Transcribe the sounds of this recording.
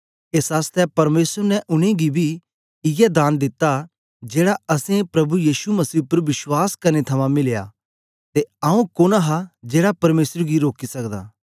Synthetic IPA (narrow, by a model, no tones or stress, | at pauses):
eːsɦaːst̪ɛpɐɾmeːsəɾnɛʔʊɽ̃ẽɡibʱi | ɪjɛd̪aːnd̪ɪt̪ːa | d͡ʒeːɽaɐsẽpɾɐbujiːsumɐsiːpəɾʋɪswaːskɐɾnet̪ʰɐmãmɪlja̰ | t̪eɐũkoːnaɦad͡ʒeːɽapɐɾmeːsɾɡiɾoːkisɐkd̪a̰ː